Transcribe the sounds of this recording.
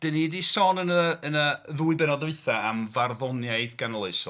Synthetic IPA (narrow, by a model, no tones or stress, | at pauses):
d̥ənidisɔnənəənəðuːɨbɛnɔðɨθaamvarðɔnjaɨðɡanlˠɨs